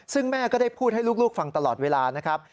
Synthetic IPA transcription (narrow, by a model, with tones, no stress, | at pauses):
sɯ˥˩ŋmɛː˥˩kɔː˥˩da˥˩jpʰuː˥˩t̪̚ha˥˩jluː˥˩k̚luː˥˩k̚fa˧ŋt̪a˧lɔː˨˩t̪̚weː˧laː˧na˦˥kʰa˦˥p̚